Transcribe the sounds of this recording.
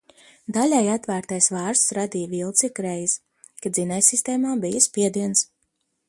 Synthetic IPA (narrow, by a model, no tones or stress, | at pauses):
d̪alʲajat̪væːɾt̪ajsvaːɾst̪sɾad̪ijvilˠt̪sikɾɛjs | kad̪zinɛjsist̪ɛːmaːbijəspiɛd̪iɛns